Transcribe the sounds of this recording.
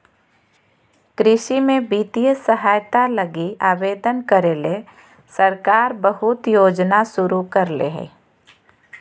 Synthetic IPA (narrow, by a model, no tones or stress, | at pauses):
kɾɪʃimẽbiːt̪ijəsəɦaːjt̪aləɡiaːbeːd̪ənkəɾeːle | səɾkaːɾbəɦʊt̪joːd͡ʒnasʊɾukəɾlḛɦḛː